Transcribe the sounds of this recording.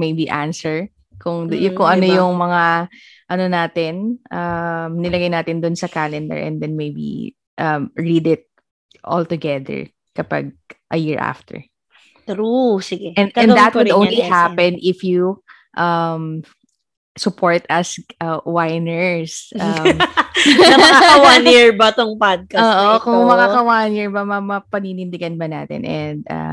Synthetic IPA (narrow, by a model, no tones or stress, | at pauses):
mejbiʔansɛɹ | kʊŋd̪jkʊŋɐnojʊŋmɐŋa | ʔɐnonaːt̪ɪnʔɐmnɪlɐɡajnaːt̪ɪnd̪ʊnsɐkalɛnd̪ɛ̰ɹʔɛ̰̃nd̪ɛnmejbḭ | ʔɐmɹid̪ɪt̪̚ | ʔɔ̰lt̪ʊɡɛðɛ̰ɹ | kɐpɐ̰ɡ̚ʔɐjiɹʔa̰ft̪ʰɛ̰ɹ | t̪ɾusɪɡɛɛ̃ɛ̃nd̪ɐt̪wʊdd̪ʔõw̃nlihapɛ̃nʔɪfju | ʔɐm | sʊpʰoɹt̪ɐsɐwaɪnɛɹsʔɐm | ɐmɐkakɐwaniɹbɐt̪oŋpad̪̚kɐoːʔokʊŋmɐkaːkɐwanɪɹbɐmɐmɐpɐninɪ̃nd̪ɪɡɐnbɐnaːt̪ɪ̰nʔɛ̃nd̪ɐ̰